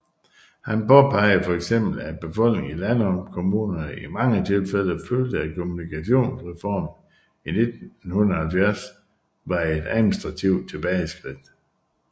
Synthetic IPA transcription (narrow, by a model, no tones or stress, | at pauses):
hænpɒ̽pʰɑ̈ɪ̰əfɒ̽eɡ̥sem̰b̥l̩æb̥e̝fɒ̽l̰ɡ̥ne̝ŋilænɒmkʰo̝muːnɐimɑ̈ŋət͡sʰe̝lfel̰ɐføld̥əækʰo̝munikʰæɕo̝̰ːnsʁɛfɒ̰ːmn | ine̝d̥nhunɐhælfæɐs | ʋɑ̈e̝d̥æðˠminisd̥ʁɑ̈t͡sʰiʊd̥̚t͡sʰe̝b̥ɛɪsɡ̥ʁid̥